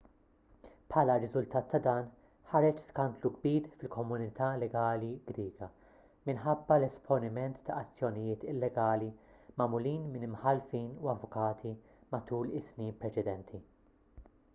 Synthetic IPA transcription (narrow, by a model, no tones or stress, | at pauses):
pʰħɐːlɐɾɪzʊlt̪ɐːt̪ːɐd̪ɐːn | ħɐɾɛt͡ʃskɐnt̪luɡbiːɾfɪlkɔmʊnɪt̪ʰɐlɛɡɐːliɡɾiːɡɐ | mɪnħɐbːɐlɛspʰɔnɪmɛnt̪ːɐɐt͡sːjɔnɪjɪːt̪ɪlːɛɡɐːlimɐmʊliːnmɪnɪmħɐlfiːnuɐvʊkɐːt̪ʰi | mɐt̪uːlɪsniːnpɾɛt͡ʃɛd̪ɛnt̪ʰi